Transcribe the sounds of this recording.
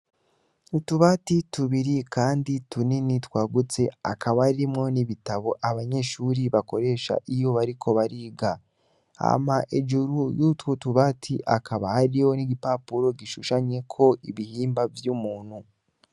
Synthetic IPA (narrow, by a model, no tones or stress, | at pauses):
utuβaːtituβiɾikaːndituninitwaːɡut͡se̞a̰kʰaβaimŋo̞niβitaβo̞ʔaβaɲe̞ʃuːɾiβako̞ɾe̞ːʃa̰ʔijo̞βaɾikʰo̞βaɾiːɡa | a̰maʔed͡ʒuɾujutwutuβaːtʰiʔa̰kʰaβahaɾijo̞niɡipapuɾo̞ɡiʃuʃaɲe̞kʰo̞iβihiːmbavjuːmuːn̥hu